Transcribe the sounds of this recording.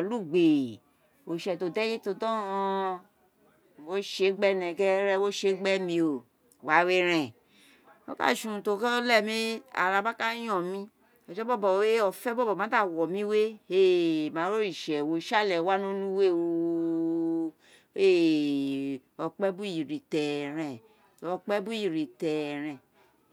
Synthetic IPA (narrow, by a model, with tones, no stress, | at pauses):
ɔ˨lu˦˨ɡ͡be˨ | o˨ʃɛ˨to˨dɛ˦je˦to˧dɔ̃˦˧ | wo˦ʃe˨˦ɡ͡bɛ˦nɛ̃˨ɡɛ˦ɾɛ˦wo˦ʃe˨˦ɡ͡bɛ˦mĩ˧o˨ | wa˨˦we˧ɾ̃ɛ̃˨ | o̰˦ka̰˦˨ʃũ˨to˨˧˦kɔ˦lɛ˦˨mĩ˧˦a̰˨ɾa˨ba˦ka˦jɔ̃˨mĩ˧˦ | ɔ˨d͡ʒɛ˦bɔ˦bɔ˨we˦ɔ˨fɛ˦bɔ˦bɔ˨m˨ã˨˦a˦˨wɔ˨mĩ˦we˦e˦˨mã˨ɾo˦i˨ʃɛ˨wo˨ʃa˦˨lɛ˨wa˦no˦nũ˦we˦o˨ | e˦ | ɔ˨k͡pɛ˦bu˦ji˨ɾi˨tɛ˨ɾɛ̃˨ | ɔ˨k͡pɛ˦bu˦ji˨ɾi˨tɛ˨ɾɛ̃˨